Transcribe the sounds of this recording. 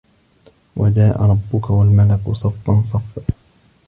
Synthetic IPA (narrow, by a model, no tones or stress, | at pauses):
wad͡ʒaːʔa̰ɾˤɑbːʊkawalmalakʊsˤɑfːɑns̬ˤɑf